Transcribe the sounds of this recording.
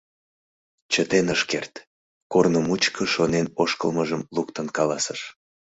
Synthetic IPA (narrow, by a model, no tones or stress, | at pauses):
t͡ɕət̪enəʃkert̪ | kornəmut͡ɕkʰəʃonenoʃkəlməʒəmluk̚t̪ənkɑlɑsəʃ